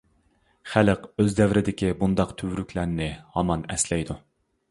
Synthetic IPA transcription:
χæləqøzd̪ɛvɾɪd̪ɪkʲibund̪ɑqt̪ʰywɾykʲʰlæɾnɪhɑmɑnɛslɛjd̪u

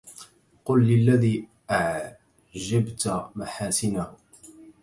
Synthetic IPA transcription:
qʊlːɪlːaðiː | ʔaʕ | ʒabt̪maħaːsɪnahʊ

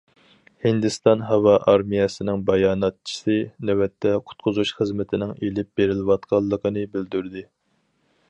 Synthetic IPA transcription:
hɪnd̪ɪst̪ɑnɦɑwɑʔɑɾmijɛsɪnɪŋbɑjɑːnɑt̪̚t͡ʃʰi̥sɨnɛwɛt̪ʰːɛqʰʊ̥t̪̚qʰʊzuʃχəzmɪt̪ʰɪnɪŋelɪp̚beɾɪlɪwɑt̪̚qʰɑlˠːəqʰənɨbɪld̪yɾd̪ɪ

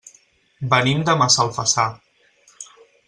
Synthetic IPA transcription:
bənimd̪əmasalˠfəsa

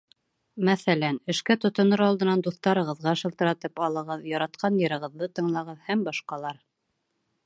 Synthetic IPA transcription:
mæθælænɘ̆ʃkæt̪ŏt̪ŏnɤɾɑlˠd̪ɤ̆nɑnd̪uθt̪ɑɾɤ̆ʁɤ̆ðʁɑɤʃɤ̆lˠt̪ɤ̆ɾɑt̪ɤpɑlˠɤ̆ʁɤðjɑɾɑt̪̚qʰɑnjɤ̆ɾɤ̆ʁɤ̆ðːɤt̪ɤ̆ɴlˠɑʁɤðhæmbɑʃqɑlˠɑɾ

